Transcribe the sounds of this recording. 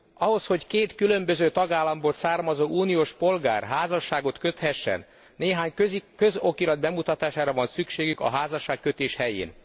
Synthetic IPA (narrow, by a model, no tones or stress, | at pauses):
ɒɦo̞sho̞ckeːt̪kylø̞mbø̞zøːt̪ɒɡaːlːɒmboːlsaːrmɒzoːʔuːnijoːʃpo̞lɡa̰ːrɦaːzɒʃːaːɡo̞t̪kø̞t̪hɛʃːɛ̰nː | eːɦaːɲikøzo̞kiɾɒd̪̚bɛmut̪ɒt̪aːʃaːɾɒvɒnsykʃeːɡykɒ̰ɦaːzɒʃːaːkːøt̪eːʃhɛjḛːn